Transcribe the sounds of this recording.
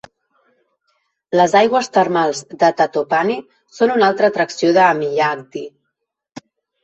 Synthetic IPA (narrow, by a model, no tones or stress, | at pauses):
ləzajɣwəst̪ərmalˠzd̪ət̪at̪opani | sonunalˠt̪ɾəːt̪ɾəksioðəːmiʎak̚d̪i